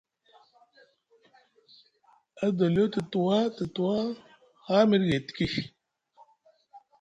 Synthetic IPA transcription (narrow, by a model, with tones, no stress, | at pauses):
a˦d̪o˨ljo˦t̪ə˨t̪u˨wa˦t̪ə˨t̪u˨wa˦ | ha˦mi˦ɾɡe˨t̪ki˦